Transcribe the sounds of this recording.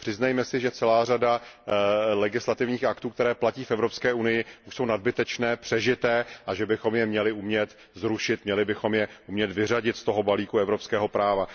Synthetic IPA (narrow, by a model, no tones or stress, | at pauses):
pr̥ɪznajmɛsɪʒɛt͡sɛlaːrada | lɛɡɪslat̪ɪvɲiːxakt̪uːk̚t̪ɛɾɛːplaciːfɛvɾopskɛːunɪjɪʔuʃso̞wnad̪̚bɪt̪ɛt͡ʃnɛːpr̥ɛʒɪt̪ɛːʔaʒɛbɪxo̞mjɛmɲɛlɪʔumɲɛt̪ | zɾuʃɪt̪mɲɛlɪbɪxo̞mjɛʔumɲɛt̪vɪraɟɪt̪st̪o̞ɦo̞baliːkuɛvɾo̞pskɛːɦo̞pɾaːva